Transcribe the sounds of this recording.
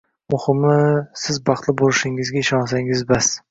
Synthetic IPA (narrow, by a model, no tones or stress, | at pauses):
mʊhɪmːɪsɪzbɑqt̪lˠɪbolɪʃɪŋɪzɡʲaɪʃɒns̬aŋɪzbas